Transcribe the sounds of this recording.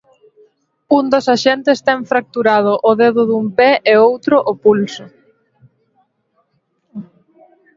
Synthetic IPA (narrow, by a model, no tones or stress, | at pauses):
und̪osaʃɛnt̪est̪ɛŋfɾak̚t̪uɾað̞ʊʔʊðeðʊðumpeʔeowt̪ɾʊʔopulsʊ